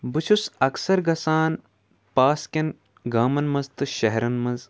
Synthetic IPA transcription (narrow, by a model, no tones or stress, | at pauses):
bɨt͡ʃʰusɐksɐɾɡɐsaːn | paːskʲɐn | ɡaːmɐnmɐzt̪ɨʃɐɦɾɐnmɐz